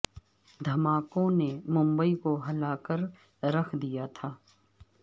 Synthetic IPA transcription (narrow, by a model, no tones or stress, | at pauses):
d̪ʱɐmaːkõnemʊ̃mbəikoɦɐlaːkəɾ | ɾɐxʰd̪ijat̪ʰaː